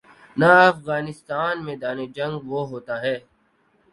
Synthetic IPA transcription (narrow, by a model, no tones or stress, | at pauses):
naəfɣaːnɪst̪aːnmẽd̪aːned͡ʒɐ̃ŋɡʋoɦoːt̪aːɦɛː